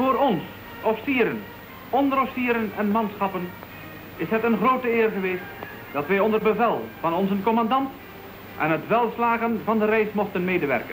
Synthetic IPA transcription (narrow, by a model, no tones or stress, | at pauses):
vʊːɾɔns | ɔfi̥siːɾən | ɔndəɾɔfsiːɾənɛnmɑnsχɑpən | ɪsɦətənχroːtəɪːrχəʋeːst | d̥ɑtʋɛjɔndərbəvɛlˠv̥ɑnɔnzənkɔmɑndɑnt | ʔɛ̰nɦətʋɛlˠslaːχənvɑndərɛjsmɔχtənmeːdəʋɛ̰rkə